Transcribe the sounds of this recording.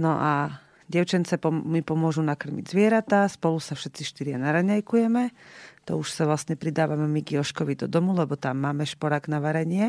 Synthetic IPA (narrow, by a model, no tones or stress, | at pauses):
nɔʔa | ɟɛʊt͡ʃɛnt͡sɛpɔmipɔmʊɔʒunakr̩mḭɟzʋɪɛɾat̪aspɔlusafʃɛt̪t͡siʃt̪iɾɪanaɾaɲajkujɛmɛt̪ɔ̰uʃsaʋlasɲɛpɾid̪aːʋamɛmiɡiɔʃkɔʋid̪ɔd̪ɔmulɛbɔt̪amːaːmɛʃpɔɾaɡnaʋaɾɛɲɪɛ